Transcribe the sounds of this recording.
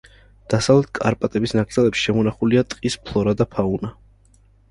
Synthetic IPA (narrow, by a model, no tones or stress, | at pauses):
d̪̥asavlɛt̪̚ʰkʼaɾpʼat̪ʼɛbisnaɡd̪zɛlɛpʃʃɛmɔnaχuliat̪ʼqʼispʰlˠɔɾad̪apʰauna